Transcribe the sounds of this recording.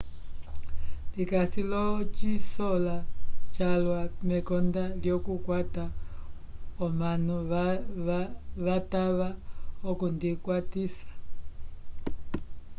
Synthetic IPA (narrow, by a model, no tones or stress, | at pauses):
dikasilɔt͡ʃisɔlat͡ʃalwamɛkɔndaljɔkukwata | ɔmanu | ʋataβaɔkundikwatisḁ